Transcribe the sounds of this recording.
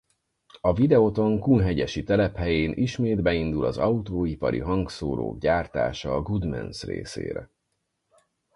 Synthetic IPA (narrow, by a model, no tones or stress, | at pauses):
ɒvid̪ɛot̪o̞ŋkunɦɛɟɛʃit̪ɛlɛphɛjeːnʔiʃmeːd̪bɛind̪ulɒzɒut̪oːipɒɾḭɦɒŋksoːɾo̰ːɡɟaːrt̪a̰ːʃɒːɡud̪mɛ̰nsrḛːsḛːɾɛ̰